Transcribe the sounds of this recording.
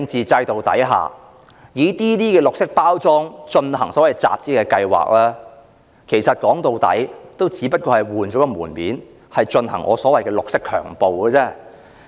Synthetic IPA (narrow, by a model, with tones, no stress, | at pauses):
ŋt͡siː˨t͡sɐ˧jt̪o˨wt̪ɐ̰˨˥jɦa̰ː˨˩ | jiː˨˧t̪iː˥t̪iː˥kɛː˧lʊ˨k̚sɪ˥k̚paː˥wt͡sɔː˥ŋt͡ʃɵ˧nhɐ̰˨˩ŋsɔ˨˥wɐ˨jt͡sa̰ː˨p̚t͡siː˥kɛː˧kɐ˧jwa̰ː˨k̚lɛː˥ | kʰe˨˩jsɐ˨t̚kɔː˨˥ŋt̪o˨wt̪ɐ̰˨˥jt̪o˥wt͡siː˨˥pɐ˥t̚kɔː˧hɐ˨˩jwuː˨nt͡ʃɔ˨˥kɔ˧muː˨˩nmiː˨˥n | hɐ˨jt͡ʃɵ˧nhɐ˨˩ŋʔɔː˨˧sɔː˨˥wɐ˨jkɛː˧lʊ˨k̚sɪ˥kʰœ̰ː˨˩ŋpo˨wkəː˧t͡sɛː˥˩